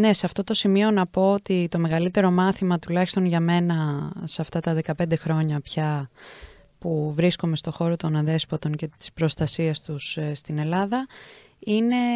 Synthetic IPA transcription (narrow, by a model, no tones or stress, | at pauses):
ne̞seɐft̪o̞t̪o̞simio̞nɐpo̞ot̪it̪o̞me̞ɣɐlit̪e̞ɾo̞mɐθimɐt̪ulɐçi̥st̪o̞nʝɐme̞nɐsɐft̪ɐt̪ɐðe̞kɐpe̞nd̪e̞xɾo̞ɲɐpçɐ | puvɾisko̞me̞st̪o̞xo̞ɾo̞t̪o̞nɐnðe̞spɐt̪o̞nce̞t̪i̥spɾo̞st̪ɐsiɐst̪usst̪ine̞lɐðɐ | ine̞